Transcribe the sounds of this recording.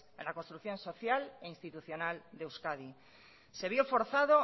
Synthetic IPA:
ḛ̃lakonst̪ɾukθjõ̞nso̞θjaleinst̪it̪uθjo̞nald̪ewskaði | se̞β̞jofo̞ɾθaðo̞

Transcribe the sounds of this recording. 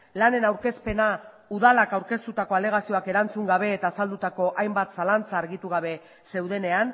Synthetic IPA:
lane̞nawɾke̞spe̞na | uðalakawɾke̞st̪ut̪ako̞ale̞ɣ̞asio̞ake̞ɾant͡suŋɡaβ̞e̞ːt̪aːsald̪ut̪ako̞ʔajmbat̪salant͡saːɾɣit̪uɣ̞aβ̞e̞ | se̞wðe̞ne̞an

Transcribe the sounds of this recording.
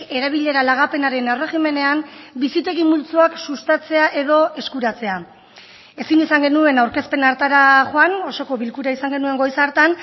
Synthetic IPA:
e̞ɾaβ̞iʎe̞ɾalaɣ̞ape̞naɾe̞newre̞ɣime̞ne̞ambisit̪e̞ɣimult͡suaksust̪at͡se̞aʔe̞ðo̞ʔe̞skuɾat͡se̞a | e̞sinisaŋɡe̞nue̞nawɾke̞spe̞naɾt̪aɾaʝoano̞so̞ko̞βilkuɾaisaŋɡe̞nue̞ŋɡo̞jsaɾt̪an

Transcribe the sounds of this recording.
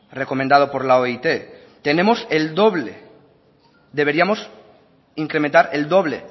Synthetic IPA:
reko̞mẽnd̪að̞o̞po̞ɾlaoit̪e̞ | t̪e̞ne̞mose̞ld̪o̞βle | d̪e̞β̞e̞ɾiamo̞s | iŋkɾement̪aɾe̞ld̪o̞β̞le̞̰

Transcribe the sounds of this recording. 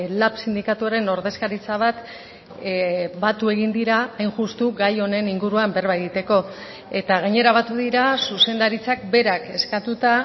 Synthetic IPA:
lapsind̪ikat̪uaɾe̞no̞ɾðe̞skaɾit͡saβ̞at̪ | bat̪ue̞ɣ̞ind̪iɾaajnʝust̪uɣajo̞ne̞niŋɡuɾuambe̞ɾβajɣit̪e̞ko̞ | e̞t̪aɣ̞aɲe̞ɾaβ̞at̪uðiɾasuse̞nd̪aɾit͡sakbe̞ɾake̞skat̪ut̪a

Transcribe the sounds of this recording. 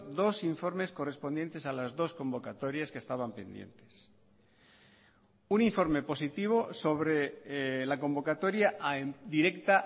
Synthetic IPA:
d̪o̞siɱfo̞ɾme̞sko̞re̞spo̞nd̪je̞nt̪e̞salazðo̞skõ̞mbo̞kat̪o̞ɾjaskest̪aβ̞ampe̞nd̪je̞̰nt̪e̞̥s | uniɱfo̞ɾme̞po̞sit̪iβ̞o̞so̞βɾe̞lako̞mbo̞kat̪o̞ɾjaʔd̪iɾe̞kt̪a

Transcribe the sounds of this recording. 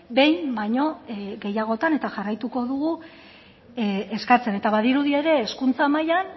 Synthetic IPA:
be̞jmbajɲo̞ɡe̞jaɣ̞o̞t̪ane̞t̪aʝarajt̪uko̞ðuɣu | eskat͡se̞ne̞t̪aβaðiɾuðie̞ɾe̞ːskunt͡samajan

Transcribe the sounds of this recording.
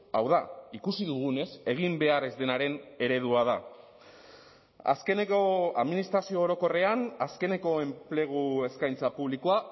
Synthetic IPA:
awðaikusiðuɣ̞une̞se̞ɣ̞imbe̞are̞zd̪e̞naɾe̞ne̞ɾe̞ð̞uað̞a | a̰ske̞neko̞a̰ðminist̪ɾasio̞ːɾo̞ko̞re̞anaske̞ne̞ko̞e̞mple̞ɣ̞ue̞skajnt͡sapuβlikoa

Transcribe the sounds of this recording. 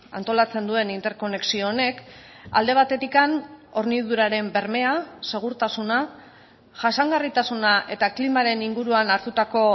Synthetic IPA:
a̰nt̪o̞lat͡se̞nd̪ue̞nint̪e̞ɾko̞ne̞ksio̞ːne̞k | a̰ld̪e̞β̞at̪e̞t̪ikano̞ɾniðuɾaɾe̞mbe̞ɾme̞ase̞ɣ̞uɾt̪asuna | ʝasaŋɡarit̪asunaʔe̞t̪aklimaɾe̞niŋɡuɾuanaɾt̪ut̪ako̞

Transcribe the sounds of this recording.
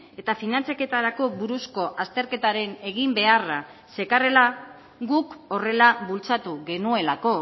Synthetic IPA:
e̞t̪afinant͡sjake̞t̪aɾako̞βuɾusko̞ʔast̪e̞ɾke̞t̪aɾe̞ne̞ɣimbe̞ara | se̞kare̞la | ɣuko̞re̞laβult͡sat̪uɣe̞nue̞lako̞

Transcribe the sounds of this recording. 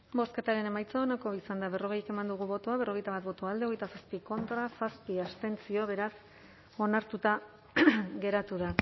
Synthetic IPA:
bo̞ske̞t̪aɾe̞ne̞majt͡saonako̞isand̪aβe̞ro̞ɣ̞e̞jeke̞mand̪uɣuβo̞t̪oaβe̞ro̞ɣe̞jt̪aβat̪̚bo̞t̪oald̪eo̞ɣ̞ejt̪asaspiko̞nt̪ɾasaspiast̪e̞nt͡sio̞βe̞ɾas | o̞naɾt̪ut̪a | ɣe̞ɾat̪uða

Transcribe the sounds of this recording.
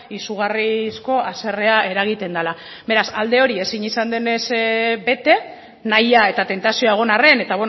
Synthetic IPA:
isuɣ̞arisko̞ʔase̞re̞ae̞ɾaɣ̞it̪e̞nd̪ala | be̞ɾasald̪e̞o̞ɾie̞siɲisand̪e̞ne̞sbe̞t̪e̞ | najae̞t̪at̪e̞nt̪asioaeɣ̞o̞nare̞ne̞t̪aβe

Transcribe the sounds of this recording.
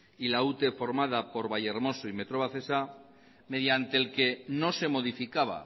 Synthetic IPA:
ilaut̪e̞fo̞ɾmaðapo̞ɾβaʝeɾmo̞soime̞t̪ɾo̞β̞aθe̞sa | me̞ðjant̪e̞ːlke̞no̞se̞mo̞ð̞ifikaβa̰

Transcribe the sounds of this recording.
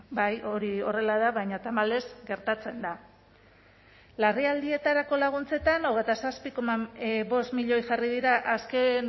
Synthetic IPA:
bajo̞ɾio̞re̞lað̞aβajɲat̪amale̞zɡe̞ɾt̪at͡se̞nd̪a | lariald̪ie̞t̪aɾako̞laɣ̞unt͡se̞t̪ano̞ɣ̞e̞jt̪asaspiko̞maβo̞st̪miʎo̞jʝarið̞iɾaʔasken

